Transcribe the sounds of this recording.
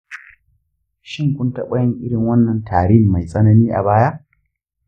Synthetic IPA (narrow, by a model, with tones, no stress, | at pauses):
ʃɪ˦ŋkʷʊ˦ntɐ˦ɓɐ˦jɐ˦ŋʔɪ˦ɽɪ˨ŋwɐ˦nːɐ˨ntʰaː˨ɽi˦˨mma˨jsʼɐ˦nɐ˦niː˦ʔa̰˨baː˦ja˦ʔ